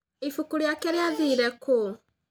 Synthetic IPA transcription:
ifukuɾeakɛɾeaðiɾɛko

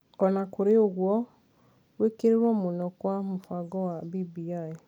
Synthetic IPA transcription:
ɔnãkoɾeoɡwɔ | wekeɾewɔmonɔ̃kamufaɡɔwabibiae

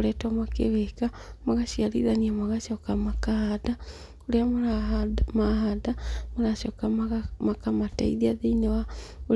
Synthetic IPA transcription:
oɾɛtamakḛβekamaɣaʃiaɾḭðaniamaɣaʃɔkamakahada | oɾeamoɾamaɦadamoɾaʃɔkamakamata̰iðiaðeinewao

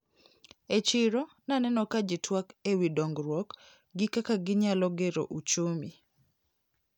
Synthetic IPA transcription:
et͡ʃɪɾo | nanɛnɔkad͡ʒɪtwakewidɔŋɡɾwɔk | ɡɪkakaɡɪɲalɔɡeɾo̰ʔut͡ʃomi

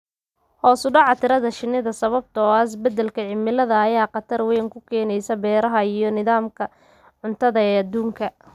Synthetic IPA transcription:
hɔːsʊɖɑʕɑt̪ʰɪɾɐðɐʃɪnːɪðɐsɐβɐb̚t̪ʰɐɔas̬bɐd̪ɛlkʰɐʕɪmɪlɐðɐːjaːqɑt̪ʰɐrwɛːŋkʰʊkʰɛːnɛjsɐbɛːɾɐɦɐijɔnɪðaːmkʰɐ | ʕʊnt̪ʰɐðɐɛːɐd̪uːŋkʰɐ

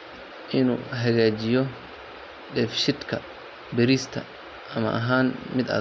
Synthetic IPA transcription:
ʔɪnṵːɦɐɣaːt͡ʃɪjɔ | ɖɛːfʃɪd̪kʰɐ | bɛɾiːst̪ʰɐ | ʔɐmɐ̰ʔɐɦaːnmɪd̪ɐ̰ː

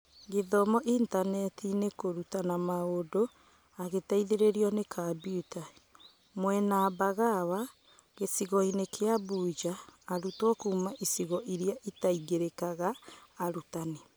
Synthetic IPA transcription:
ɡeðɔmɔʔintanɛtinekoɾutanamaodo | aɣetaiðeɾeɾiɔnekʰabiuta | mwɛnabaɣawa | ɣesiɣɔinekʰeabuːd͡ʒaːɾutwɔkuːmaʔisiɣɔʔiɾiaʔitaiɡeɾekaɣaːɾutane

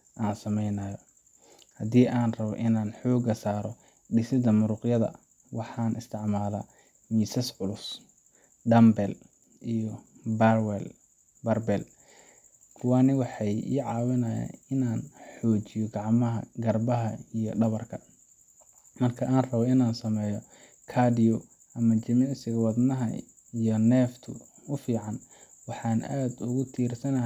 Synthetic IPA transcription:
ʔaːnsɐmɛjnɐjɔ | hɐd̪iːʔaːnrɐβɔ̰ʔɪnaːnħɔːɡɐsaːɾɔ | ɖɪsɪd̪ɐmʊɾʊqjɐðɐ̰ | wɑħɑːnʔɪst̪ʰɪʕmaːla | miːsɐsʕʊlʊs | ɖɐmbɛl | ʔijɔbɐrwɛl | bɐrbɛl | kʰʊwaːnɪwɑħɑjḭːʕɑːwɪnɐja̰ɪnaːnħɔːt͡ʃɪjɔɡɑʕmɐɦɐ̰ɡɐrbɐɦɐijɔɖɐβɐrkʰɐ | mɐrkʰɐʔaːnrɐβɔɪnaːnsɐmɛːjɔ | kʰaːdɪɔ | ʔɐmɐt͡ʃɐmɪnɪsɪɣɐwɑd̪nɐɦɐ̰ | ijɔnɛːft̪ʰʊ̰ | ʊfiːʕɑn | wɑħɑːna̰ːd̪ʊɣʊt̪ʰiːrsɐnɐ

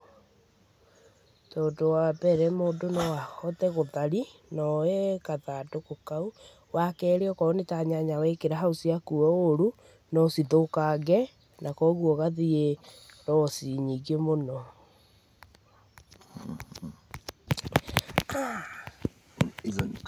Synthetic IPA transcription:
tɔdowabɛɾɛmoːndonɔwahɔtɛɣoðaɾinɔekaðadokokau | wakɛːɾeɔkɔonetaɲaɲawɛkeɾaɦaosiakuɔoɾu | nɔsiðokaɡɛ | nakɔɣuɔɣaðieɾɔsiɲiɡemonɔ | a

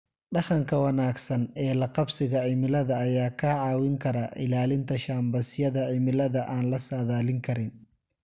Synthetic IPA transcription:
ɖɑχɐŋkʰɐwɐnaːɡsɐnɛːlɐqɑbsɪɣɐʕɪmɪlɐðɐːjaːkʰɐʕɑːwɪŋkʰɐɾɐʔɪ̰laːlɪnt̪ʰɐʃaːmbɐsjɐðɐʕɪmɪlɐðɐʔaːnlɐsaːðaːlɪŋkʰɐɾɪn

